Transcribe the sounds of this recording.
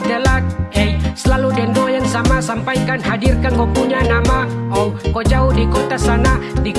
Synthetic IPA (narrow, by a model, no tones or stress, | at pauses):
dalat̪̚ɛjsəlaludɛndojaŋsamasampaikanɦadirkankɔpuɲanamaɔkot͡ʃaudikot̪asanadi